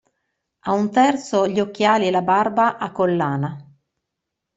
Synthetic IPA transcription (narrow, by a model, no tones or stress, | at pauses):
aunt̪ɛrt̪soʎiokːjaːlielabarbaʔakːolːaːna